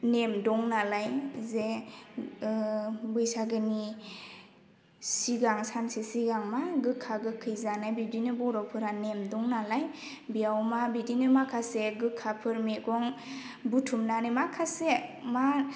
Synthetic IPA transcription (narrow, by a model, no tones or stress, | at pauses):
nemdɔŋnalajze | bɯjsaɡɯni | siɡaŋsansesiɡaŋmaɡɯkʰːaɡɯkʰɯjzanajbidinɯbɔɾɔpʰɯɾanemdɔŋnalaj | biawmabidinɯmakʰaseɡɯkʰːapʰɯɾmekɔŋ | butʰumnanɯmakʰasema